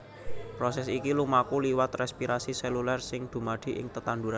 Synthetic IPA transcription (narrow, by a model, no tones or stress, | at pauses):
pɾɔsɛsikilumakuliwat̪rɛspiɾasisɛlulɛrsɪŋd̪̥ṳmaɖ̪̥i̤ʔɪ̰ŋt̪ət̪and̪uɾan